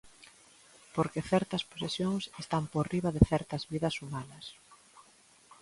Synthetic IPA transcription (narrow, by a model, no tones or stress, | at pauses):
poɾkeθɛɾt̪ɐspo̥sesjoŋsest̪amporiβɐðɪθɛɾt̪ɐzβiðɐsumanɐs